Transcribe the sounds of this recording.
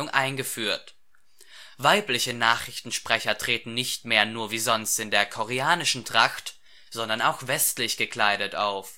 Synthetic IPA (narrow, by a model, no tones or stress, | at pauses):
ʊŋʔa̰ɪnɡəfyːɐt | vaɪplɪçənaːχʁ̥ɪçtn̩ʃpʁ̥ɛçɐtʁ̥eːtn̩nɪçtmeːɐnuːɐviːzɔnstɪndeːɐkʰɔʁeaːnɪʃn̩tʁ̥axt | z̥ɔndɐnaʊxv̥ɛstlɪçɡ̥əkl̥aɪɾətʔa̰ʊf